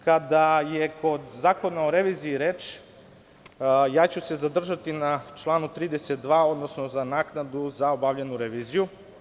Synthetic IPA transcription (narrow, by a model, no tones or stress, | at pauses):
kad̪ajeko̞d̪zaːko̞naoɾeʋiːziːɾeːt͡ʃ | jaːt͡ɕuse̞zad̪r̩ʒat̪inat͡ʃlˠaːnut̪ɾiːd̪eset̪̚d̪ʋaːo̞d̪no̞sno̞zanaknad̪uzao̞bavʎenuɾeʋiːziju